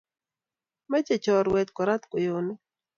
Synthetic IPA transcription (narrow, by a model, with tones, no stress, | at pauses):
mɛ˦t͡ʃe˨t͡ʃɔ˨ɾwɛ˨t̪kɔ˨ɾa˦t̪ko˨jo˨nɪ˦